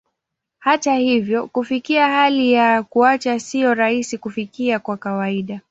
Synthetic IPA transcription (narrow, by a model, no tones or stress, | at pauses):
hatahivjɔkufikiahalijakuat͡ʃasijɔɾahisikufikiakwakawaiɗa